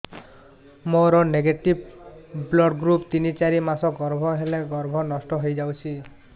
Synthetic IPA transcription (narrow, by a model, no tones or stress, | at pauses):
moɾɔneɡeʈibblɔɖɡɾupt̪init͡ʃaɾimasɔɡɔɾbʱɔɦeleɡɔɾbʱɔnɔsʈɔɦojd͡ʒawt͡ʃʰi